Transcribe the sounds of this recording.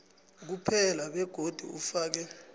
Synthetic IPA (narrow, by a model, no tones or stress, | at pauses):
k̬upʰɛlaɓɛɡ̥ʱod̥ʱṵufaːk̬ɛ